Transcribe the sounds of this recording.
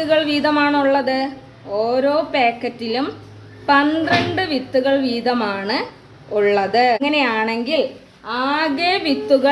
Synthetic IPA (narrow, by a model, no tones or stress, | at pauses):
t̪ːuɣɐɭʋiːðɐmaːɳuɭːɐðɨ | oːɾo̞ːpeːkːɐtːilum | pɐnd̪rɐɳɖɨʋit̪ːuɣɐɭʋiːðɐmaːɳɨ | uɭːɐðɨŋːɐne̞jaːɳe̞ŋɡil | aːɣeːʋit̪ːuɣɐ